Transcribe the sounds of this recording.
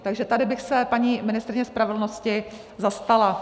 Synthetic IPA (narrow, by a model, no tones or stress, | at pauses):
t̪aɡʒɛt̪adɪbɪxsɛpaɲiːmɪnɪst̪ɾɪɲɛspɾavɛdl̩noscɪ | zast̪ala